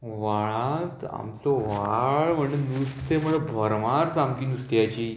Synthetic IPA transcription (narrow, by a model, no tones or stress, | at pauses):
ʋaɭat̪a̰mt͡sɔʋaɭm̤əɳenust̪t̪em̤əəbʱəɾʋaɾt͡samkiːnust̪jat͡ɕiː